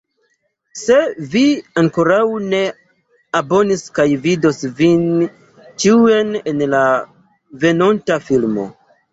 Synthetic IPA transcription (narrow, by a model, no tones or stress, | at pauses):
se̞viaŋkoɾawne̞ | abo̞niskajvidosvin | t͡ʃiene̞nla | ve̞nontafilmo̞̰